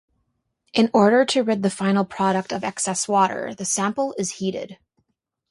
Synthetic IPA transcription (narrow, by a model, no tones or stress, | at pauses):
ʔɨ̃nɔɹɾə˞ɾɨɹɪd̪̚ðɨfãɪ̃nl̩ˠpʰɹ̥ɑɾɨk̚tʌvɛksɛswɔɾə̰˞ðɨsæ̃mpl̩ˠɪz̥hiɾɪ̰d̥